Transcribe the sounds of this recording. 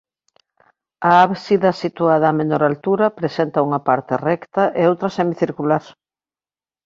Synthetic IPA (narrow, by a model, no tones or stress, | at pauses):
aaβsiðɐsit̪uaðɐaːmenoɾalt̪uɾɐpɾesent̪ɐuŋɐpaɾt̪erɛkt̪ɐʔeowt̪ɾɐsɛmiθiɾkulaɾ